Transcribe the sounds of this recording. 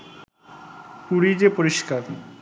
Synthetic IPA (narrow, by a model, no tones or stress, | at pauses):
kuɽid͡ʑepoɾiʃkaɾ